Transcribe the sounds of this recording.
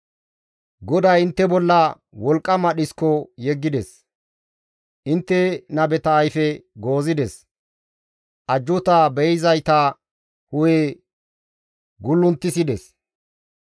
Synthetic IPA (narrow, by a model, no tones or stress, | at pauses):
ɡɔd̪ɐjɪnt̪ːɛbɔlːɐ | wɔlkʼːɐmɐɗɪskːɔjɛɡːɪd̪ɛs | ʔɪnt̪ːɛnɐbɛt̪ɐːjfɛɡo̞ːzɪd̪ɛs | ʔɐd͡ʒːʊt̪ɐbɛjɪzɐjt̪ɐ | hʊje | ɡʊlːʊnt̪ːɪsɪd̪ɛs